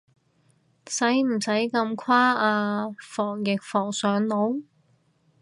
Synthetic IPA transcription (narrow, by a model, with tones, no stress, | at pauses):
sɐ˨˥jm̩˨˩sɐ˨˥jkɐ˧mkʷʰaː˥aː˧fɔː˨˩ŋjɪ˨k̚fɔː˨˩ŋsœː˨˥ŋlo˨˥w